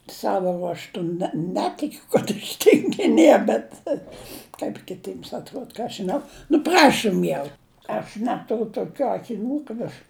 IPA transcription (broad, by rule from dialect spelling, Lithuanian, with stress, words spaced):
ˈsɑːʋoː ruɔʃˈtʊ nʲɛ ˈnʲæːtʲɪkʲʊ kɐt ɐʃ tʲɪŋʲɡʲɪˈnʲiɛ bʲɛt kɐp kʲɪˈtʲiːms ɐtˈruɔt ˈkɑː ɐʃ ʒʲɪˈnɐʊ nʊ ˈprɑːʃʊm jɛʊ ɐʃ ˈnʲæːtʊrʲʊ toːˈkʲuː ɐkʲɪˈnʲuː kɐt ɐʃ